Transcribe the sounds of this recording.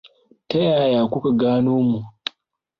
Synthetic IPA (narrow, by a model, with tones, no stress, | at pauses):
tɐ˦jaː˨jaː˨kʷʊ˦ka˨ɡaː˦noː˦mu˨